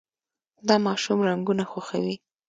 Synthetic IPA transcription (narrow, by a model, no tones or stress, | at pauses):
d̪ɑmɑʃumɾaŋɡunaxaxa̰wi